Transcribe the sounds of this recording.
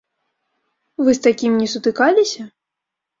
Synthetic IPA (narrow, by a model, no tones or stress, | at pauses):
vɨst̪akʲimnʲɛsut̪ɨkalʲisʲɐ